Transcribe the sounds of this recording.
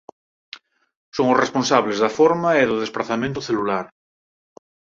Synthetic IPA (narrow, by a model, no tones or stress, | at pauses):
soŋosresponsaβlezðafoɾmaeðʊðesplaθamẽnt̪ʊθelulaɾ